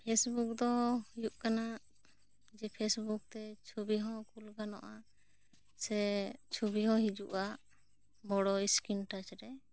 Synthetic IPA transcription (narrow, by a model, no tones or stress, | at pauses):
pʰesbuk̚d̪ɔjuʔkanaʔ | d͡ʒɛpʰesbuk̚t̪ɛt͡ʃʰubiɦɔ̃kulɡanɔʔa | sɛt͡ʃʰubiɦɔ̃ɦid͡ʒuʔaʔ | mɔɽɔiskinʈat͡ʃɾɛ